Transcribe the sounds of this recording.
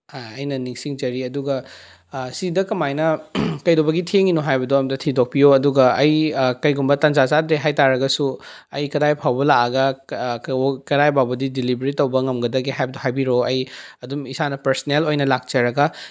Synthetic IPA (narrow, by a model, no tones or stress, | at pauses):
haɐjnɐniŋsiŋd͡ʒɐɾiɐduɡɐ | sidɐkɐmajnɐkɐjdobɐɡitʰeŋinoɦajbɐdoɐmtɐtʰidok̚pijoɐduɡɐɐjkɐjɡumbɐtɐnd͡ʒazadɾeɦajtaɾɐɡɐsu | ɐjkɐdajpʰawbɐlaɐɡɐ | kɐdajbabɐdidilibɾitːɐwbɐŋɐmɡɐdɐɡiɦajbɐdohajbiɾoɐjɐdumisanɐpɐɾsnelojnɐlak̚t͡ʃɐɾɐɡɐ